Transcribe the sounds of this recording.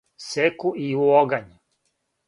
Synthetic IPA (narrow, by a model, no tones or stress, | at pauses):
sekuʔiuoɡaɲe